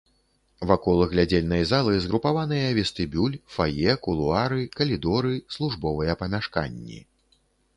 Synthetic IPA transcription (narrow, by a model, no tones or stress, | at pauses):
vakɔlˠɨɣlʲad͡zʲelʲnɐjzalˠɨzɣɾupavan̪ɨjɐvʲɛst̪ɨbʲulʲfajɛkulˠuaɾɨkɐlʲid̪ɔɾɨslˠuʐbɔvɨjɛpɐmʲaʂka̰nʲːḭ